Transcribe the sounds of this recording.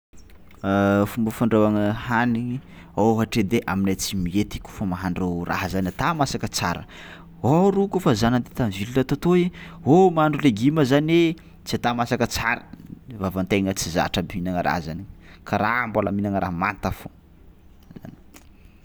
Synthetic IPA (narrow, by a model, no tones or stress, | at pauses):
fumbəfaɳɖ͡ʐewaŋəhani | awɦaʈ͡ʂed̪eʔaminajt͡simiet̪i̥kʲu̥famaɦaɳɖ͡ʐewra̰ɦzanʲat̪amasakət͡sa̰ɾə̰ | oɾukufazanant̪et̪amivilulat̪at̪oiomaaɳɖ͡ʐuleɡiməzane | t͡siat̪amasakət͡saɾə̥vavant̪eŋət͡siza̰ʈ͡ʂabminaŋəɾa̰zanikʰaɾambalaminaŋəɾa̰ɦmant̪afo | za̰ni